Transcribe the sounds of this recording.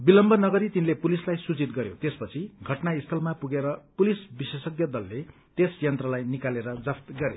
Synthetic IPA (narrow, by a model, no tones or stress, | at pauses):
bilʌmbʱʌnʌɡʌɾit̪inlepulislajsut͡sit̪ɡʌɾjot̪espʌt͡sʰiɡʱʌʈnaist̪ʰʌlmapuɡeɾʌpulisbisesʌɡjʌd̪ʌlːe | t̪esjʌnt̪rʌlajnikaleɾʌd͡zʌpt̪ɡʌɾḛ